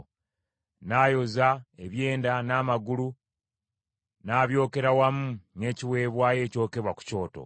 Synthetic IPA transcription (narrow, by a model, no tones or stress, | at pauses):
naːjo̞zaeβje̞ːndanaːmaɡulu | naːβjo̞ːke̞ɾawamune̞ːciwe̞ːβwaːje̞ːco̞ːke̞βwaku̥co̞ːto̞̰